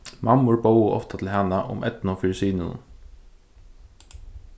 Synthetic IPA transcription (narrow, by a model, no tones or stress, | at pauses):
mamʊɹbowʊʔɔ̰ft̪at̪ʰɪlɦanaʔʊ̰mʔɛt̪nʊfɪɾsiːnɪnʊ̰n